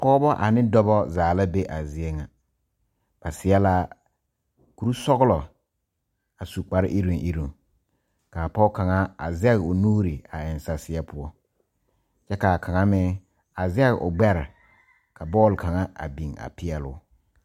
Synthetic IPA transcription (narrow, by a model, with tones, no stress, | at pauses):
pɔ˦bɔ˦ʔa˨nɪ˦dɔ˦bɔ˦zaː˨la˦be˦ʔa˨zɪ˦e˦ŋa˨ | b̥a˨sɪ˨˦ɛ˦la˦ | ku˨ɾu˦sɔ˦ɣʊ˦lɔ˨ | a˨su˨k͡pa˨ɾɪ˦ʔi˦ɾu˨ŋʔi˦ɾu˨ŋ | ka˨pɔ˦ka˨ŋa˦a˨zɪ˦ɛ˦ɣʊ˨nuː˦ɾi˨a˨ɪ˨n˨sa˨sɪ˨ɛ˦pʊ˦ɔ˦ | t͡ʃɛ˦ka˨kʰa˨ŋa˦mɪ˦ | a˨zɪ˦ɛ˦ɣ̰ʔʊ˨ɡ͡bɛ˦ɾɪ˨ | ka˨bɔː˦˨lka˨ŋa˦a̰˨bi˨ŋa̰˨pɪ˦ɛ˦lʊ̰˨˦